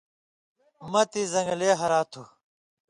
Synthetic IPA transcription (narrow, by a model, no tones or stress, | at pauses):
mɐt̪izɐ̃ŋɡleːɦɐɾaːt̪ʰu